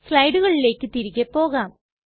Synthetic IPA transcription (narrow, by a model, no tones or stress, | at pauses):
sɭɐjɖuɣɐɭile̞ːkʲːɨt̪iɾiɣepːo̞ːɣaːm